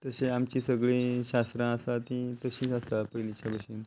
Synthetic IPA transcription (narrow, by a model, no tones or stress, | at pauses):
t̪əseamt͡ɕĩsəɡɭiɕast̪ɾãəsat̪ĩt̪əɕĩːsasapəjlit͡ɕabʱəɕin